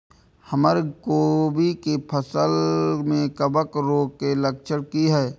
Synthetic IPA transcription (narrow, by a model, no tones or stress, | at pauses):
həməɾkoːbikepʰəsəlmẽkəbəkɾoːkelək̚t͡ʃʰəɽkiɦɛː